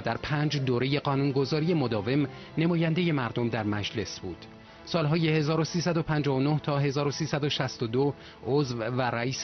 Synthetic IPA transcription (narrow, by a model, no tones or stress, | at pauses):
d̪æɾpʰæːnd͡ʒd̪oːɾe̞je̞ɢɒːnunɡo̞zɒːɾije̞mod̪ɒːve̞m | nemɒːjænd̪e̞je̞mæɾd̪omd̪æɾmæd͡ʒle̞sbuːd̪̥ | sɒːlɦɒːje̞he̞zɒːɾosiːsæd̪o̞pʰænd͡ʒɒːɦono̞ht̪ʰɒːɦe̞zɒːɾosiːsæd̪o̞ʃæst̪od̪o | ozvvæɾæiːs